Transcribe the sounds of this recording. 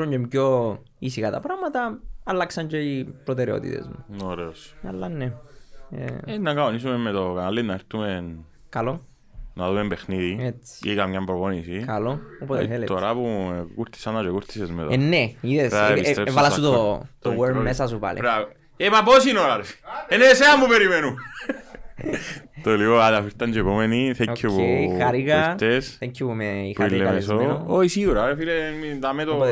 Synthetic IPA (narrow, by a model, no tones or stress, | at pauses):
oɲɟemko | isikat̪ɐpɾamɐt̪ɐɐlːaksɐɲd͡ʒeipɾot̪eɾeo̰t̪ḭt̪ḛzmunoɾeosɐlːanːeḛenːakaonisumemːet̪okanalːinːaeɾt̪umen | kaloː | aðumembexniðiet͡sːi̥ikamɲambɾoponisikaloopot̪eθelet̪oɾapukuɾt̪i̥sanat͡ʃekuɾt̪isezmet̪enːeiðesaeit̪ɾevalaut̪ot̪oweɾmesasupa̰lḭpɾa | epaposinoɾaɾeneseamːupeɾimenu | t̪olioaðafiɾt̪and͡ʒepomeniθekʰːopuxaɾikat̪esθeɲkʰːopumeipuilːemes̬ooisiɣuɾaɾefilemit̪amet̪o